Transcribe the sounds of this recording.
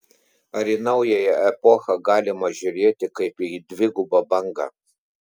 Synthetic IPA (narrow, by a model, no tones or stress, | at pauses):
ɐɾiːnɐʊjɛjɛɛpɔxɐɡɑːlʲɪmɐʒʲʊɾʲeːt̪ʲɪkɐɪpid̪ʲʋʲɪɡʊbɐbɐŋɡɑ̰ː